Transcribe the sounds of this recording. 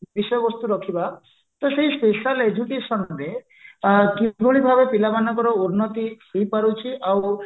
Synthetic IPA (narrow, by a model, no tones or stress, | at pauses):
bisɔjɔbɔst̪uɾɔkʰiba | t̪ɔseispeʃaled͡ʒukeʃɔnɾe | kiɡʱoɭibʱabepilabanɔkɔɾɔuɾnɔt̪ihijpaɾut͡ʃʰiʔaw